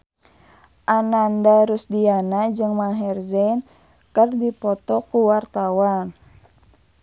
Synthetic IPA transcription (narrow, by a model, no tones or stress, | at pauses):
ʔanandaɾusdianad͡ʒɨŋmaɦɛrzɛn | kərdipɔt̪ɔkuwart̪awan